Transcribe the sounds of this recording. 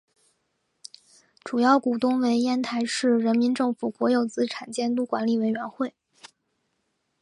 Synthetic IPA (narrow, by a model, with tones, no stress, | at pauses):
ʈ͡ʂu˨˩jɑ˥˩ʊku˨˩t̪ʊ˥ŋwe˧˥ɪɛ˥nt̪ʰa˧˥ɪʂɻ̩˥˩ɻə˧˥nmi˧˥nʈ͡ʂɤ˥˩ŋfu˨˩kwɔ˧˥jo˨˩ʊt͡sɹ̩˥ʈ͡ʂʰa˨˩nt͡ɕjɛ˥nt̪u˥kwa˧˥nli˨˩we˧˥ɪɥɛ˧˥nxwe˥˩ɪ